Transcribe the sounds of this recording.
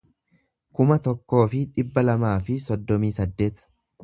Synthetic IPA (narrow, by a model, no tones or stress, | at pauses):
kʊmɐt̪ɔkːo̞ːfɪᶑɪbːɐlɐmaːfɪsɔd̪ːɔmiːsɐd̪ːe̞ːt̪ɐ̥